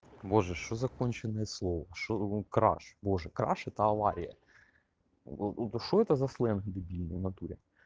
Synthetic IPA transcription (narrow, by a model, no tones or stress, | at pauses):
boʐɛʃt͡ʃɔzɐkɔnʲt͡ʃenɛjɛslˠɔʋɐʃt͡ʃɔkɾɑ̰ʃboʒɛkɾɑ̰ʃɛt̪ɐɐʋɑɾʲḭjɐ̰ | ot̪t̪ʃɔɛt̪ɐzɐslˠɛnɦd̪ɪbʲilʲnɐwnɐt̪uɾʲɛ